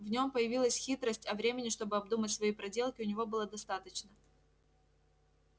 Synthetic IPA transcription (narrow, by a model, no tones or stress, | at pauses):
vnʲo̞mpəjɪvʲilˠəsʲxʲit̪ɾəsʲtʲɐvɾʲemʲɪnʲɪʂt̪o̞bɨɐbd̪umətʲsvɐipɾɐdʲe̞lˠkʲɪʊnʲɪvo̞bɨlˠəd̪ɐst̪at̪ət͡ɕnə